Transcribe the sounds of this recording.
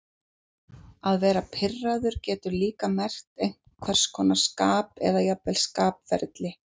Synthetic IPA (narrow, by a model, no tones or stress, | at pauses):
aðvɛːɾapʰɪrːaðʏɾ̥cɛːt̪ʏɾliːkamɛr̥t̪ejm̥kʰvɛr̥skʰɔːnḁskaːpɛ̰ðajapvɛlskaːpvɛ̰ɾt̪lɪ